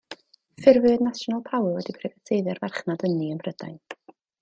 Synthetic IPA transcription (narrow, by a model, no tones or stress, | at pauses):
fɪrvɨdnasɔnalˠpʰawˠwɛdipʰr̥ɛvatʰejðjɔrvarχnadəniənbrəd̥a̰jn